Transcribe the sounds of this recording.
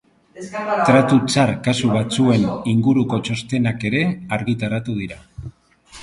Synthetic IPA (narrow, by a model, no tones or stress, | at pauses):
t̪ɾat̪ut͡saɾkasuβ̞at͡sue̞niŋɡuɾuko̞t͡ʃo̞st̪e̞nake̞ɾe̞aɾɣit̪aɾat̪uð̞iɾa